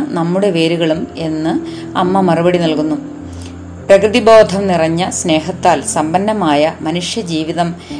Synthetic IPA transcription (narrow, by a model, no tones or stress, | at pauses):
nɐmːuɽe̞ʋe̞ːɾuɣɐɭume̞nːɨ | ɐmːɐmɐrubɐɽinɐlkunːu | prɐkrɨðibo̞ːd̪ʱɐmnirɐɲːɐsne̞ːɦɐt̪ːaːlsɐmbɐnːɐmaːjɐmɐnuʂjɐd͡ʑiːʋiðɐm